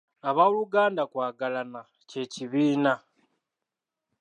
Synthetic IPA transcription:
aβauluɡaːndakwaːɡalana | ce̞ːciβiːna

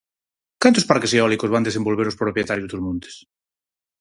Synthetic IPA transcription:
kant̪ospaɾkeseɔlikozβand̪esembolβeɾospɾopjet̪aɾjozðet̪uzmõnt̪e̥s

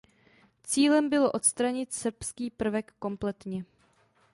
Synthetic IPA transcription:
t͡siːlɛmbɪlo̞ʔo̞t̪st̪ɾaɲɪt̪sr̩pskiːpr̩vɛkːo̞mplɛt̪ɲɛ

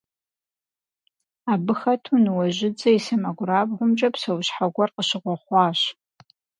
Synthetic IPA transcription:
abɨxɐtʰunɨwɐʒɪd͡zɐisɐmɐɡʷraːbʁʷʊmt͡ʃʼɐpsɐwɕħaɡʷɐrqəɕɪʁʷɔχʷɑːɕ

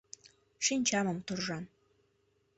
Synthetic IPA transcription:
ʂinʲt͡ɕɑməmt̪orʒɑn

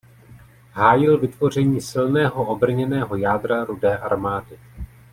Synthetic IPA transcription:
ɦaːjɪlvɪt̪vo̞r̝ɛɲiːsɪlnɛːɦo̞ʔobr̩ɲɛnɛːɦo̞jaːd̪ɾaɾudɛːʔaɾmaːdɪ

